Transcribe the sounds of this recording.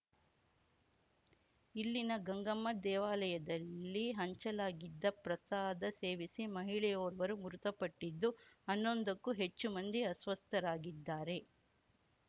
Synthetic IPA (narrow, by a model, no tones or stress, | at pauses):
ilːinɐɡɐŋɡɐmːɐd̪ɛːʋaːlɐjɐd̪ɐlːiɦɐɲt͡ʃɐlaːɡid̪ːɐpɾɐsaːd̪ɐse̞ːʋisimɐɦiɭɛjoːɾɐʋɐɾumuɾut̪ɐpɐʈːid̪ːuɐnːo̞nd̪ɐkːuɦe̞t͡ʃːumɐnd̪iɐsʋɐst̪ʰɐɾaːɡid̪ːaːɾe̞